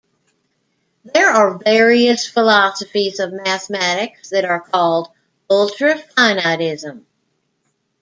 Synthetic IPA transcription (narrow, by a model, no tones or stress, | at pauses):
ðə˞ə˞vɛɹiɨsfəlɑsɨfizʌvmæθmæɾɪksðɨɾə˞kʰɔlˠd | ʌlˠtɹ̥ɨfaɪnaɾɪzə̃m